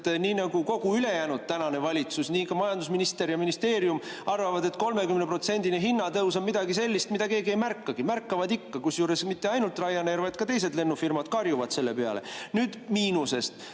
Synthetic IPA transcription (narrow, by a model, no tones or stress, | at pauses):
t̪niːnɑɡ̥uko̞ɡ̥uyle̞jæːnud̪̥̚t̪ænɑne̞vɑlʲit̪susniːkɑmɑjɑnd̪usminist̪e̞ɾjɑminist̪e̞ːɾijumɑrvɑvɑd̪e̞t̪ko̞lme̞kymnepro̞t̪se̞nd̪ineɦinːɑt̪ɤwsɑmid̪̥ɑɡise̞lʲːist̪mid̪ɑke̞ːɡie̞jmærkːɑɡ̥imærkːɑvɑd̪ikːɑkusjuːɾe̞smit̪ːe̞ɑjnult̪ˑrɑjːɑneɾvɑjd̪̚kɑt̪e̞js̬e̞d̪le̞nːufirmɑd̪̥kɑrjuvɑd̪̥se̞lːe̞peɑ̰lḛnyːd̪̥miːnuse̞st̪